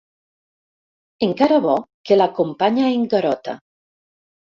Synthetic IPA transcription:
eŋkaɾaβɔkelakompaɲaeŋɡaɾɔt̪a̰

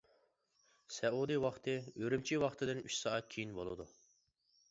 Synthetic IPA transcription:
sɛud̪ɨwɑχt̪ʰɨøɾymt͡ʃʰiwɑχt̪ʰɨd̪ɪnyʃsɑːɑt̪̚kʲʰijinbolˠɨ̰d̪u

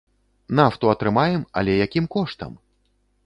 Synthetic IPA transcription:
naft̪uɐt̪ɾɨmajɛmɐ̰lʲɛjakʲimkɔʂt̪ɐ̰m

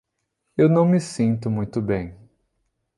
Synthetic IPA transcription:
ewnɐ̃w̃mɪsĩnt̪ʊmũj̃t̪ʊbẽj̃

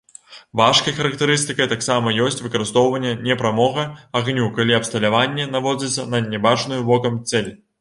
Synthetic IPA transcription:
vaʂkɐjxɐɾɐkt̪ɨɾɨst̪ɨkɐjt̪aksamɐjɔsʲt͡sʲvɨkɐɾɨst̪ɔwvɐnʲːɛnʲɛpɾamɔɣɐaɣnʲukalʲiɐpst̪ɐlʲavanʲːɛnavɔd͡zʲɐsʲɐnɐnʲɛbat͡ʂnujubɔkɐmt̪sɛlʲ

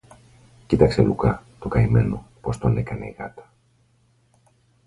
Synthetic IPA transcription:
cit̪ɐkse̞̰lukɐt̪okɐime̞no̞po̞st̪o̞nekɐnḛiɣɐt̪ɐ̥

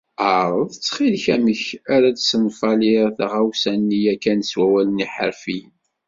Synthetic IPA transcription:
aɾˤðət͡sːχilçæməçæɾæd̪sənfɑliθʁawsænːijækːænswæwæləniħə̰ɾfi

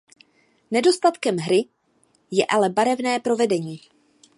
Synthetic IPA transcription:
nɛdo̞st̪at̪kɛmɦɾɪ | jɛʔalɛbaɾɛvnɛːpɾo̞vɛdɛɲiː

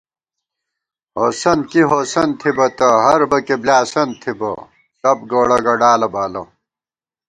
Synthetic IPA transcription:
ɦoːsɐnkiɦoːsɐnt̪ʰibɐt̪ɐɦɐɾbɐkeblaːsɐnt̪ʰibɐ̰ | t̪ɐbɡoːɽɐɡɐɖaːlɐbaːlɐ̰

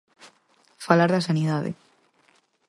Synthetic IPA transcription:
falaɾðasaniðaðḛ

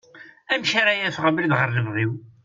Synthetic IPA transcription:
æmʃaɾajæθʁəməlðʁəɾːəmðˤiw

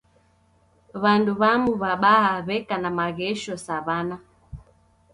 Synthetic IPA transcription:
βanduβamuβaɓaaβɛkanamaɣɛʃɔsaβana

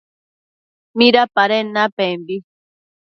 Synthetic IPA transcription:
miɾapaɾenapembi

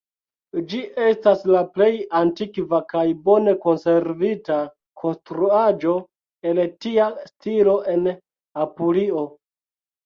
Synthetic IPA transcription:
d͡ʒiʔe̞staslaple̞jantikvakajbo̞ne̞ko̞nse̞ɾvita | kʰo̞nstɾuad͡ʒo̞ | eltiastilo̞ʔe̞n | apulio̞

